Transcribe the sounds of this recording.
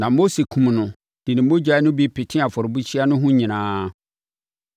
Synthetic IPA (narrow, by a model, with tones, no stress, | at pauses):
nã˨mo˦se˨kʰũ˨m˨nʊ̃˨ | d̥i˨nɪ̃˨˦mo˦d͡ʑᶣa˨˦nʊ̃˦bi˦pʰɪ˨tʰɪ̃˦a˨fɔ˨ɾbu˦t͡ɕʰi˦a˦nʊ̃˦ɦʊ̃˦ɲĩ˨nãː˦